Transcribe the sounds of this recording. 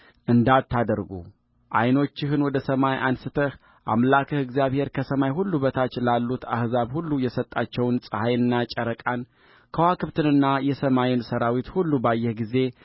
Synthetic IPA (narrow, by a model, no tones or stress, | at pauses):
ʔɨnd̪at̪ʰːad̪əɾɡṵ | ʔa̰jno̞t͡ʃːɪɦɨnwɔd̪əsəmajʔansɨt̪ʰəh | ʔa̰mlakʰəhɨɡzijaβhe̞ɾkʰəsəmajɦulːubət̪ʰat͡ʃːlalːut̪a̰hzaβhulːujɛsət̪ʼːat͡ʃːɛwnsʼɨhajɨnːat͡ʃʼəɾəkʼan | kʰəwakʰɨβt̪ʰɨnɨnːajɛsəmajɪnsəɾawit̪hulːubajːɛhɡize̞